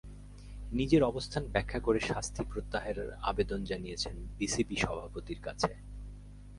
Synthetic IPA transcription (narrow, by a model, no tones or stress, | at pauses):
nid͡ʑeɾɔbost̪ʰanbɛkʰːakoɾeʃast̪ʰipɾot̪ːaɦeɾa̰bed̪ond͡ʑanijet͡ɕʰenbisipiʃɔbʱapot̪iɾkat͡ɕʰe